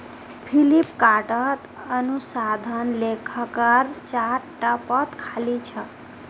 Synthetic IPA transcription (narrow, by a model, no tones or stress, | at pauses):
pʰilipkaʈət̪ | ənusad̪ʱənlekʰəkəɾt͡ʃaɾʈapət̪kʰalit͡ʃʰə